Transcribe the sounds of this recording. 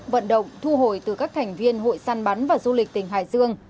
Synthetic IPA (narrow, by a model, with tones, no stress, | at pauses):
və̰˧˨nɗə̰˧˨wŋ͡mt̪ʰu˧ɦo˧˩jt̪ɨ˨˩kaː˦˥k̚t̪ʰɛ˨˩jŋ̟vi˧ənɦo̰˧˨jsaː˧nɓa˨˦nvaː˨˩zu˧lï˨˩k̟̚t̪ï˨˩ŋ̟ɦa̰ː˧˨jzɨ˧əŋ